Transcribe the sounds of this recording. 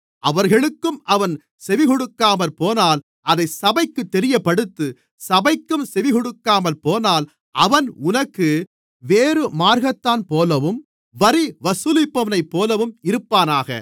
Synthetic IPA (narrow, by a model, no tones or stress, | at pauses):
ʔɐʋɐɾɣɐɭɯkːɯmʔɐʋɐn | sɛʋɪɣɔɽɯkːaːmɐlpoːnaːl | ʔɐðɐɪsɐbɐɪkːɯt̪ːɛɾɪjɐpːɐɽɯt̪ːɯ | sɐbɐɪkːɯmsɛʋɪɣɔɽɯkːaːmɐlpoːnaːl | ʔɐʋɐnʊnɐkːɯ | ʋeːɾɯmaːɾɣɐt̪ːaːnpoːlɐʋɯm | ʋɐɾiʋɐsɯlɪpːɐʋɐnɐɪpːoːlɐʋɯmɪɾɯpːaːnaːɣɐ̰